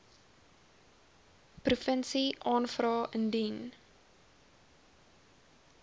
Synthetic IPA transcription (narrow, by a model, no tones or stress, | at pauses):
prufənsiʔɑːnfrɑːʔəndin